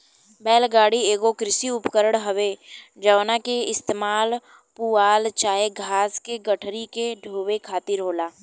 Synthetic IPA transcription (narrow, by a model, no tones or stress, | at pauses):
bɛːlɡaːɽieːɡokɾɪsiʊpkəɾəɽ̃ɦəʋed͡ʒəʋnakeɪst̪eːmaːl | puːaːlt͡ʃaːeɡʱaːskeɡəʈʰɾikeɖʱoːʋekʰaːt̪ɪɾɦoːlaː